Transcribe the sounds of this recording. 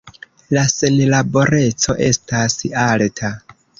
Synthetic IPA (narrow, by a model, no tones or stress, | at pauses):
lasenlabo̞ɾe̞t͡so̞ʔe̞̰stasialtʰa